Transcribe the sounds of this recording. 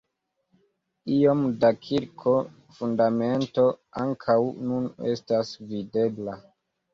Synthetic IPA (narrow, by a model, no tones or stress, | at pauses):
io̞mdakʰiɾkʰo̞ | fundame̞nto̞aŋkʰawnune̞̰stasvide̞bla